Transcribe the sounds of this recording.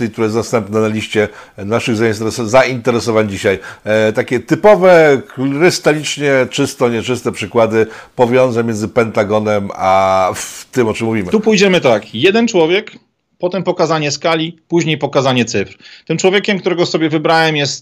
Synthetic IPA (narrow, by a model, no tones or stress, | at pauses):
ik̚t̪uɾajɛsast̪ɛmpnɛnalʲiɕt͡ɕɛnaʂɘɣzait̪zaint̪ɛɾɛsɔvaɲd͡ʑiɕajt̪akʲɛt̪ɘpɔvɛkɾɘst̪alʲit͡ʂɲɛt͡ʂɘst̪ɔɲɛt͡ʂɘst̪ɛpʂɘkwad̪ɘpɔvʲjɔ̃ñzamʲjɛnd̪zɘpɛnt̪aɡɔnɛmaft̪ɘmɔt͡ʂɨmːuvʲimɘt̪upujd͡ʑɛmɘt̪akjɛd̪ɛnt͡ʂwɔvʲjɛk | pɔt̪ɛmpɔkazaɲɛskalʲipuʑɲejpɔkazaɲɛt̪sɘfɾt̪ɘmt͡ʂwɔvʲjekʲɛmkt̪uɾɛɡɔsɔbʲjɛvɘbɾawɛmjɛst̪̚